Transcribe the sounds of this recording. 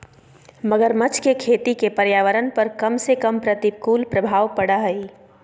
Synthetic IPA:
məɡəɾmɐt͡ʃkekʰeːt̪ikepɐɾjaːʋəɾənpɐɾkɐmsekɐmpɾət̪ib̚kuːlpɾəbʱaːʋpɐɽaɦɛi

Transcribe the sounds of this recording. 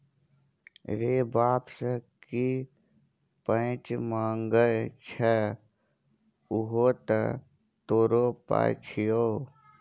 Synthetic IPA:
ɾeːbaːpsəki | pə̃t͡ʃmãːŋɡəlt͡ʃʰɛ | ʊɦot̪ə | t̪oːɾoːpa̰ːt͡ʃʰijoː

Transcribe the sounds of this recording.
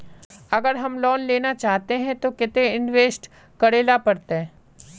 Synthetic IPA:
ɐɡəɾɦɐmlɔːnleːnat͡ʃaːɦt̪eɦɛ̃t̪okɪt̪ẽɪ̃nʋeːsʈ | kɐɾeːlapɐɾt̪eɦɛ̃ː

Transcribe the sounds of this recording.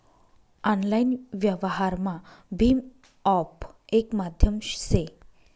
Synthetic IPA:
ɔnlajnʋjəʋɦaɾmabʱim | ɔpekmad̪ʱjəmɕse

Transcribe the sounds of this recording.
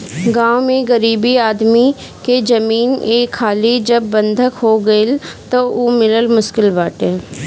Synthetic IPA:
ɡãːwmẽɡɐɾiːbiaːd̪mi | ked͡ʒɐmiːneːkʰːaːlid͡ʒɐbːɐ̃nd̪ʱəkɦoɡɐɪlt̪ooːmɪləlmʊʃkɪlbaːʈẽː

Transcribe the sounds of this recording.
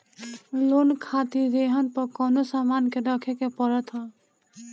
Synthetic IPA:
lonkʰat̪id̪eɦɔnpɔkɔnosamankedɔkʰɛkepɔɾət̪ɦɔ

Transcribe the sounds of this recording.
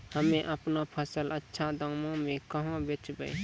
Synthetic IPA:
hameʔapnapʰasalat͡ʃʰad̪aŋmɔŋmikɔɦŋɔbeiba̰j

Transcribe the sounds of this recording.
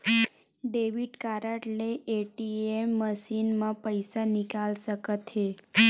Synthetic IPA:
ɖeʋiʈkaɾaʈleeʈiemːəʃinmãpəjsanikalʃəkət̪ɦe

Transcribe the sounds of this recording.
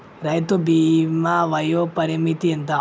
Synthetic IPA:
ɾɐjt̪obimaʋɐjopɐɾimit̪ient̪ɐ

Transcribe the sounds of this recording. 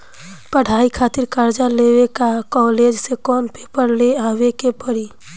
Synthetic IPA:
pəɽ̤ʱaikʰat̪iɾkəɾd͡ʒalewekakɔled͡ʒsekɔnpepəɾleabekepəɾi

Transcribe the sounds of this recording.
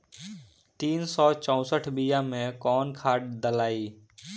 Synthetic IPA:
t̪iːnsɔːt͡ʃə̃ʊ̃səʈʰbijãmẽkɔːnkʰaːʈ̚d̪əlaːiː

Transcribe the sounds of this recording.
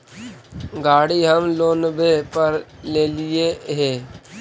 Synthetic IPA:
ɡaːɽiɦəmloːnbepəɾleːlɪeɦeː

